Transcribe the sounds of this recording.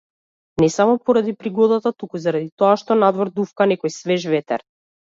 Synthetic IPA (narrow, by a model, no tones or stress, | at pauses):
nɛsamɔpɔɾad̪ipɾiɡɔd̪at̪at̪ukuzaɾad̪it̪ɔaʃt̪ɔnad̪vɔɾd̪ufkanɛkɔjsvɛʒvɛt̪ɛ̰ɾ